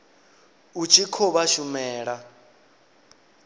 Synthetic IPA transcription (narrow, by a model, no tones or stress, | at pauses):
ut͡ʃʰʼikʰɔβaʃumɛːɺa